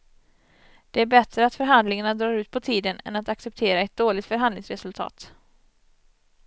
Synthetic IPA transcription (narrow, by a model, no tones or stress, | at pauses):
d̪̥ɛæɾbɛt̪ɾəat̪fœɾɦand̪lɪŋaɳad̪ɾɑːɾʉ̟ːt̪̚pʰɔt̪ʰiːd̪ənɛ̰nat̪aksɛp̚t̪ʰeːɾaɛt̪̚d̪oːlɪt̪fœɾɦand̪lɪŋsɾɛsɵlt̪ʰɑ̰ːt̪